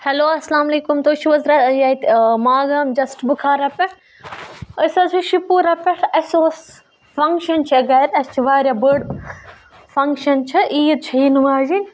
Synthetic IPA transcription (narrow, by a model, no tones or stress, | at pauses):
hɐloːɐslaːmɐleːkʊmt̪oːʃiʋɐzɾɐt̪ɐjaːit̪maːɡɐmd͡ʒɐsʈbʊkʰaːɾɐpɐʈ | ɐsɐsuʃipuːɾɐpɐʈʰɐsoːs | fɐ̃ŋkʃɐnt͡ʃʰɐɡɐːɾɐst͡ʃʰiʋaːɾjabəɖ | fɐ̃ŋkʃɐnt͡ʃʰɐʔiːt͡ʃʰɐinuaːzi